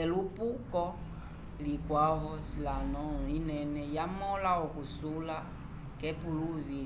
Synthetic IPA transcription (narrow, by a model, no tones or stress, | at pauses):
ɛlupukɔ | likwavɔsilanɔinɛnɛjamɔlaɔkusula | kɛpuluvi